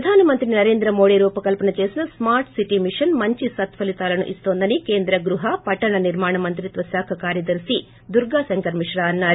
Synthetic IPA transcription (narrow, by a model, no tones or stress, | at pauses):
ɐd̪ʱaːnɐmɐnt̪ɾinɐɾe̞ːnd̪ɾɐmo̞ːɽiɾuːpɐkɐlpɐnɐt͡ʃe̞ːsinɐsmaːɾʈsiʈimiʂɐnmɐɲt͡ʃisɐt̪ʋɐlit̪aːlɐnṵʔist̪o̞ːnd̪ɐnikeːnd̪ɾɐɡɾuɦɐpɐʈːɐɳɐniɾmaːɳɐmɐnt̪ɾit̪ʋɐsjaːkʰɐkaːɾjɐd̪ɐɾsi | d̪uɾɡaːsɐŋkɐɾmiʂɾaːɐnːaːɾu